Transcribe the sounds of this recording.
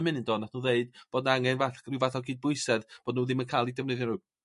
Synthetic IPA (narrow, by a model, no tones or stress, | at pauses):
mɨnəndoːdnaθnuːðeɨd̥b̥oːdnaŋɛnvaθrivaθɔɡiːd̚bʊɨsɛðb̥oːdnuːðɪmənkʰaːlˠidɛvneðjɔnɾu